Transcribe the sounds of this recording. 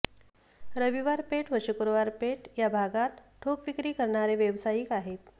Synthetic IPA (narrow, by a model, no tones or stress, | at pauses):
ɾəʋiʋaɾpeʈʋəɕukoɾoʋaɾpeʈjabʱaɡat̪ʈʰokʋikɾiːkəɾɳaɾeʋjəʋsajiːkaɦet̪̚